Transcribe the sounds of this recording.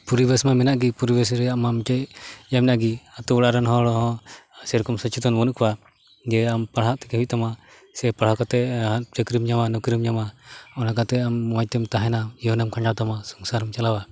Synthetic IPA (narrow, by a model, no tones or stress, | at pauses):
puɾibɛsmamɛnaʔɡipuɾibɛs̬ɾɛjaʔmamt͡ʃɛjjamnaʔɡiat̪uuɽaʔɾanɦɔ̃ɽɔɦɔ̃sɛɾkɔmsɔt͡ʃʰit̪ɔnbɔnuʔkwa | d͡ʒɛampaɽɦaʔt̪ɛ̥kɛwiʔ̚t̪ama | sɛpaɽhakɔt̪ɛt͡ʃəkɾimɲamanɔkɾimɲamaɔnakat̪ɛammɔjt̪ɛmt̪aɦɛnaiɔnɛmkʰãd͡ʒawt̪amasɔŋsaɾɔmt͡ʃalawa